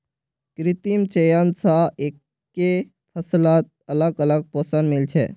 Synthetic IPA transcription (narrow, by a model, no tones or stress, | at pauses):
kɾɪt̪imt͡ʃejansaeːkː | e | pʰəslaːt̪̚ələɡələɡ̚poːsənmɪlt͡ʃʰḛ